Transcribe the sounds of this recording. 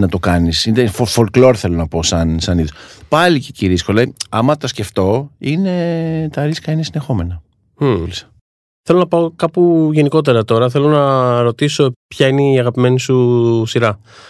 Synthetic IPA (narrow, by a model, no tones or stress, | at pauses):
nɐt̪okɐnisinefofolklo̞ɾθe̞lo̞nɐpo̞sɐnsɐniðopɐliceciɾiskolɐiɐmɐt̪ɐsce̞ft̪o̞ine̞t̪ɐɾiskɐinesine̞xo̞me̞nɐ | lisɐ̥ | θe̞lo̞nɐpaokɐpuʝe̞niko̞t̪̬e̞ɾɐt̪o̞ɾɐθe̞lo̞nɐɾo̞t̪iso̞pçɐineiɐɣɐpime̞nisusiɾɐ